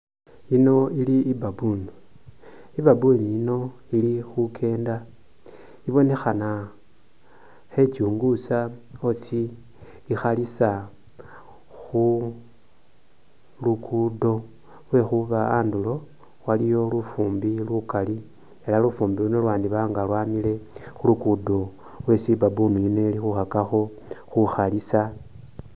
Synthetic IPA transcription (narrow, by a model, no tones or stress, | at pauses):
ino̞iliːbabun | iβabuniino̞ | ilixukʰe̞ːnda | iβo̞ne̞xana | xe̞t͡ʃuːŋɡusao̞si | ixalisa | xu | lukʰudo̞ | lwe̞xuβaaːndulo̞ | walijo̞lufuːmbilukali | elalufuːmbiluno̞lwaːndiβaːŋɡalwaːmile̞xulukudo̞ | we̞sibabunuinelixuxakaxo̞ | xuxalisa